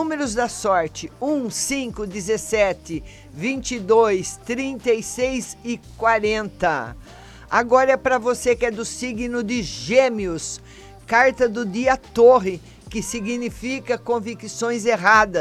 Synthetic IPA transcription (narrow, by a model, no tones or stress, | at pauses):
ũmeɾʊzd̪ɐsɔɾt͡ʃɪũsĩkʊd̪ɪzesɛt̪ɪ | vĩnt͡ʃid̪ojst̪ɾĩnt̪ejsejsɪkwaɾẽnt̪ɐ | aɡɔɾɐɛpɾɐvosekɪɛd̪ʊsiɡnʊd̪ɪʒẽmiʊs | kaɾt̪ɐd̪ʊd̪iɐt̪oɦɪ | kɪsiɡinifikɐkõvikisõj̃zeɦad̪ɐ